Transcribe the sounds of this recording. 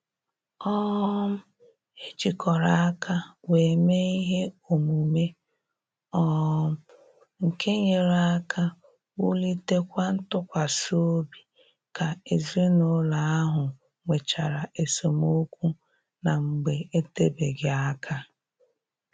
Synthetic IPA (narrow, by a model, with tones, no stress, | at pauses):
ɔ˦m̩˦ | e˦t͡ʃi˨kɔ˨ɾa˨a˦kʰa˦we˨me˦i˦ɦe˦o˨mu˨me˦ | ɔ˦m̩˦ | ŋ̩˨kʰe˦ɲe˨ɾa˦kʰa˦ | wu˦li˦te˦kʷa˦n̩˦tʊ˦kʷa˨so˦bi˨ | ka˨e˨ze˦no˦la˨a˦ɦʊ˨ | ŋʷe˨t͡ʃa˨ɾa˨ʔe˨so˨mo˦kʷu˦ | na˨ŋ͡m̩˨ɡ͡be˨e˦te˦be˨ɡɪ˨a˦kʰa˦